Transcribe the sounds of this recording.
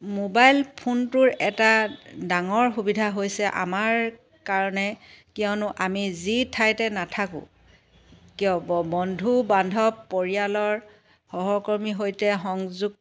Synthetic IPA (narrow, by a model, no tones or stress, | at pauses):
mobajlpʰuntʊɹɛtadaŋɔɹxubidʱaɦojsɛʔa̰maɹ | kaɹɔnɛkiɔnʊʔamizitʰajtɛnatʰakʊ̰̃ | kijɔbɔbɔndʱubandʱɔpːoɹijalɔɹ | xɔɦɔkɔɹmiɦojtɛxɔŋzuɡ̚